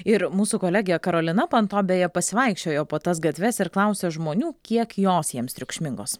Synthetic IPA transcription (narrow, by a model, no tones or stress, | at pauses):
ɪɾmuːsukoːlʲæːɡʲɪjɛkɐɾoːlʲɪnɐpɐnt̪oːbʲejɛpɐsʲɪʋɐɪkʃʲt͡ʃʲoːjoːpoːt̪ɐsɡɐt̪ʲʋʲɛsɪɾklˠɐʊsʲeːʒmoːnʲuːkʲiɛkjoːsjiɛmst̪ʲɾʲʊkʃʲmʲɪŋɡoːs